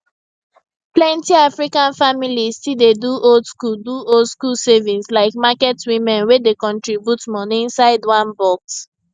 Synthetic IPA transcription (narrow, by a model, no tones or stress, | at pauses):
plɛ̃ntiafɹikãnfamilistildeduʔoldskulduolskulsevĩnslaɪkmakɛtwĩmɛ̃nwedekɔ̃ntɹibjutmɔñnsaɪdwãnbɔks